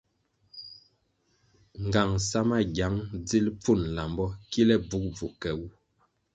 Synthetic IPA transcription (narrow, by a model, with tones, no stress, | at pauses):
ŋɡa˨ŋsa˦ma˦ɡa˨˦ŋd͡zi˦lp͡fu˦˨nla˨mbɔ˦ki˦lɛ˦bu˦k̚b͡vu˨kɛ˨wu˦